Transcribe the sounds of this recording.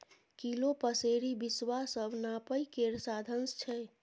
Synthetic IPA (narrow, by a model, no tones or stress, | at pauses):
kilopəseɾibiswasəbnapəjkeɾsad̪ʱənst͡ʃʰɛ